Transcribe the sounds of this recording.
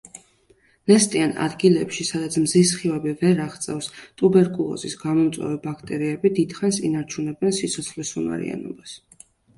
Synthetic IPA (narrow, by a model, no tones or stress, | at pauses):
nɛst̪ʼiana̰d̪ɡilɛpʃisad̪at̪sʰmzisχivɛbivɛɾaχt̪sʼɛfst̪ʼubɛɾkʼulˠɔ̰zisɡamɔmt̪sʼwɛ̰vibakʰt̪ʼɛɾiɛbid̪id̪̥χansinaɾt͡ʃʰunɛbɛnsit̪sʰɔt̪sʰχlisuma̰ɾḭa̰nɔ̰bas